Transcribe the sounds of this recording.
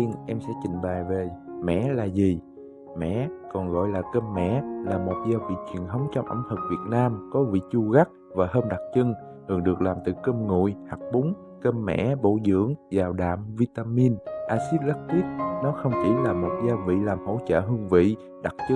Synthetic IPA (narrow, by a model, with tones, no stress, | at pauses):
i˧ənʔɛ˧msɛ̰˧˥t͡ɕï˨˩ŋ̟ɓa˨˩jve˨˩mɛ̰˧˨laː˨˩zi˨˩ | mɛ̰˧˨kɔ˨˩nɣɔ̰˧˨jlaː˨˩kə˧mːɛ̰˧˨laː˨˩mo˨˩t̚zaː˧wvḭ˧˨t͡ɕwi˨˩ənt̪ʰə˨˦wŋ͡mt͡ɕɔ˧wŋ͡mʔə̰˧˩ŋ͡mhə˨˩k̚vi˨˩ət̚naː˧mkɔ˨˦vḭ˧˨t͡ɕu˧ɣa˦˥k̚ | vaː˨˩ɦəː˧mɗa˨˩k̚t͡ɕɨ˧ŋ | hɨ˨˩əŋɗɨ˨˩ək̚laː˨˩mt̪ɨ̰˧˩kə˧mŋṵ˧˨jha˨˩k̚ɓu˨˦ŋ͡m | kə˧mːɛ̰˧˥ɓo̰˧˨zɨ̰˧˥əŋzaː˨˩wɗa̰ː˧˨mvi˧t̪aː˧mi˧nʔaː˧si˦˥t̚la˦˥k̚twi˦˥t̚nɔ˨˦xə˧wŋ͡mt͡ɕi˧˩laː˨˩mo˨˩t̚zaː˧wvḭ˧˨laː˨˩mho̰˧˥t͡ɕə̰ː˧˨ɦɨ˧əŋvḭ˧˨ | ɗa˨˩k̚t͡ɕɨ˧